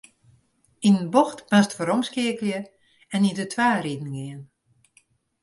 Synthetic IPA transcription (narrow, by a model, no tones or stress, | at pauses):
inənbɔxtmastfoɾɔmskɪəkljə | ɛnidətʰʋaːɾidn̩ɡɪən